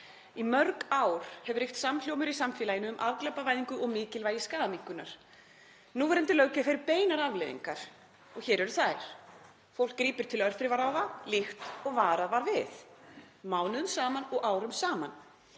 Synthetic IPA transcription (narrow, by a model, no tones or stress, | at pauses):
imœɾkaːwɾ̥hɛvʏɾ̥ejft̪saml̥jowmʏɾisamfɛːlajɪnʏːmʔavklapavajðiŋkʏɔɣmɪːcɪlvaːjɪskaːðamiŋkʏnaɾ̥ | nuvɛɾɛnt̪ɪlœːɥcɪafɪɾɪɾpeːjnaɾavlejðḭŋkaɾ̥ | ɔɣçɛːɾɛɾʏ̥θajɾ̥ | fowl̥kːɾiːpɪɾ̥t̪ʰɪlœr̥θɾɪvaɾaːwðalixt̪ɔɣvaːɾaðvaɾvɪθ | maːwnʏðʏmsaːmanɔɣaːwɾʏmsaːman